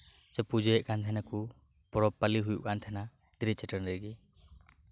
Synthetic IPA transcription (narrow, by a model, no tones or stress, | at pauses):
sɛpud͡ʒɔjɛʔkʰant̪ʰɛnaku | pɔɾɔpːaliɦujṵʔkʰant̪ʰɛna | d̪ɾit͡ʃɛʈənɾɛɾɡi